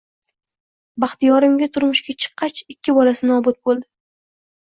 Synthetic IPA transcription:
bɑχt̪ijɒɾɪmɡʲat̪ʰʊɾmʊʃɡʲat͡ʃʰɨ̥qʰːɑt͡ʃɪkʲːɪbɒlasɪnɒbʊt̪̚bolˠd̪ɪ

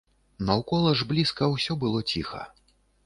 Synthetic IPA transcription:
nɐwkɔlˠɐʐblʲiskɐwsʲɔbɨlˠɔt͡sʲixɐ̰

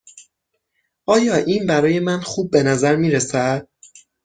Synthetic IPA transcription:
ʔɒːjɒːʔiːnbæɾɒːje̞mænxuːb̚ːe̞næzæɾmiːɾesæd̪̥̚

